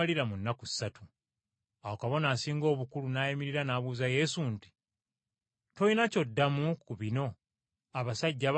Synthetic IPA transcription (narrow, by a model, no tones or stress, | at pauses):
aliɾamunːaku̥sːatu | awokaβo̞naːsiːŋɡo̞ːβukulunaːjimiɾiɾanaːβuːzaje̞sunti̥ | tojinaco̞dːamukuβino̞ | aβasaɟːaβ